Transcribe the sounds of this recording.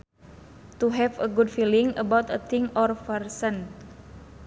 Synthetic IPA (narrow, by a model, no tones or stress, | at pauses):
t̪uɦɛvəɡudfiliŋəbawt̪ət̪ʰɪŋɔrfərsən